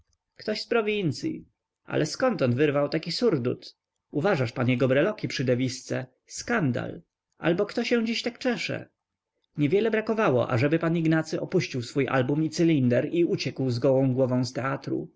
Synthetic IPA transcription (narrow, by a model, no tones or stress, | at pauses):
kt̪ɔɕspɾɔvʲint̪sʲjḭ | ʔa̰lʔɛskɔnt̪ɔnd̪vɘɾvawt̪akʲisuɾd̪ṵt̪ | uvaʐaʂpaɲɛɡɔbɾɛlɔkʲipʂɘd̪ɛvʲist̪sɛ | skand̪a̰l | ʔa̰lbɔkt̪ɔɕɛw̃d͡ʑiɕt̪akt͡ʂɛʂɛ̰ | ɲɛvʲjɛlɛbɾakɔvawɔ̰ʔa̰ʐɛbɘpaniɡnat̪sɘʔɔpuɕt͡ɕiwsfujʔa̰lbumit̪sɘlʲind̪ɛɾiut͡ɕɛkwzɡɔwɔ̃w̃ɡwɔvɔ̃w̃st̪ɛat̪ɾṵ